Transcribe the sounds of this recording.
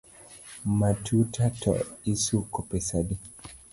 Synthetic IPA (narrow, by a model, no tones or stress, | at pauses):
matʰutatʰɔ̰isukɔpɛsadi